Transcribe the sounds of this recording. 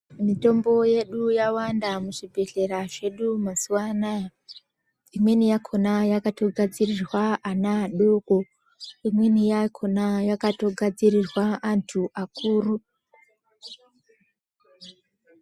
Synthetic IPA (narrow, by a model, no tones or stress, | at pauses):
mito̞mbo̞je̞ɗujawandamuʐibʱe̞ɮe̞ɾaʐe̞ɗumasuwanaja | imwe̞nijakʰo̞najakato̞ɡʱad͡zirirwaanaːɗoko | imwe̞nijakʰo̞najakato̞ɡʱad͡zirirwaʔantʰuʔakuːru